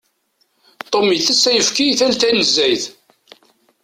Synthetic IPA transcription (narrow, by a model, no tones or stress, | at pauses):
t̪ˤːomiθæsːæjəfkiθælθænəzːæjθ